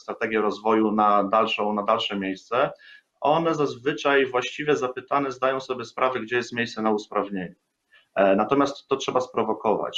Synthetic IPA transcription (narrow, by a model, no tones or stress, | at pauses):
st̪ɾat̪ɛɡʲjɛɾɔzvɔjunad̪alʂɔ̃w̃nad̪alʂɛmʲjejst̪sɛ | ɔnɛzazvɘt͡ʂajvwaɕt͡ɕivʲjɛzapɘt̪anɛzd̪ajɔ̃w̃sɔbʲjɛspɾavɛɡd͡ʑɛjɛst̪mjejssɛnauspɾavɲeɲu | nat̪ɔmʲjast̪ːɔtʂɛbaspɾɔvɔkɔva̰t͡ɕ